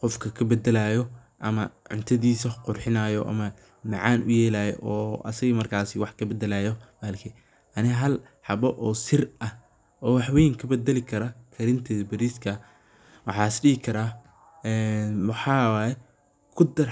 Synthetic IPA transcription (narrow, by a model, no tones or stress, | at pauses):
qɔfkʰɐkʰɐbɛd̪ɛlajɔ | ʔɐmɐʕʊ̰nt̪ʰɐðiːsɐqʊrħɪnaːjɔʔɐ̰mɐ | mɑʕɑːnʔʊ̰jɛːlaːjɛʔɔːɐ̰sɐɣɐmɐrkʰaːsɪwɑħkʰɐbɛd̪ɛlaːjɔbaːlkʰɪ | ʔɐnɪɦɐl | ħɑbɔʔɔːsɪrɐ | ʔɔːwɑħwɛjŋkʰɐbɛd̪ɐlɪkʰɐɾɐkʰɐɾɪnt̪ʰɛːðbɐɾiːskʰɐ | wɑ̰ħɑːsɖiɡɪkʰɐɾaː | ɛːnwɑħɑːwaːjɛ | kʰʊd̪ɐr